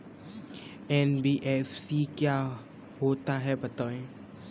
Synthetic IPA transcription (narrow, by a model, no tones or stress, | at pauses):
ɛːnbiːʔɛːfsikjaː | ɦoːt̪aɦɛbɐt̪aːẽː